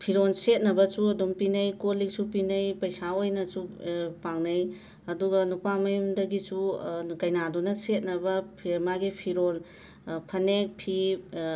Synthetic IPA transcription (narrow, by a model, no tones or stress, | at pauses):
pʰiɾonset̚nɐbɐsuɐdumpinɐjkolik̚supinɐjpɐjsaojnɐsupaŋnɐj | ɐduɡɐnupamɐjumdɐɡisuɡɐjnadunɐset̚nɐbɐpʰimaɡipʰiɾol | pʰɐnek̚pʰi